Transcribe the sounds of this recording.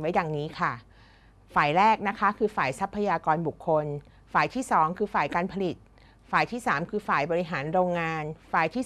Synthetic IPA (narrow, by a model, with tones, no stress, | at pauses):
wa˦˥jaː˨˩ŋniː˦˥kʰa˥˩ | faː˨˩jɾɛː˥˩k̚na˦˥kʰa˦˥kʰɯː˧faː˨˩jsa˦˥pʰːa˧jaː˧kɔː˧nbu˨˩kʰːo˧n | faː˨˩jt̪ʰiː˥˩sɔː˩˦ŋkʰɯː˧faː˨˩jkaː˧npʰa˧li˨˩t̪̚ | faː˨˩jt̪ʰiː˥˩saː˩˦mkʰɯː˧faː˨˩jbɔː˧ɾi˦˥ɦaː˩˦nɾoː˧ŋːaː˧nfaː˨˩jt̪ʰiː˥˩